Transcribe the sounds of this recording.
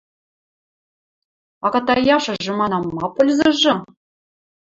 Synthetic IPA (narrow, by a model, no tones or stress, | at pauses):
ɑɣɑt̪ɑjɑʃɤ̆ʒɤ̆mɑnɑmːɑpɤ̆lʲzɤ̆ʒɤ̆